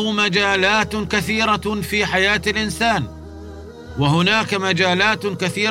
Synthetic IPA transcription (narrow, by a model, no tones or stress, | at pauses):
mad͡ʒaːlaːt̪kaθiːɾafiːħajaːt̪alʔɪnsaːn | waɦʊnaːkamad͡ʒaːlaːt̪kaθiː